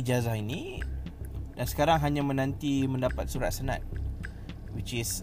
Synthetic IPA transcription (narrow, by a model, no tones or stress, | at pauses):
d͡ʒazahini | dansə̥kaɾaŋɦaɲãmə̃nãnt̪imə̃ndapat̪̚suɾat̪̚sənã̰t̪̚ | wit͡ʃɪs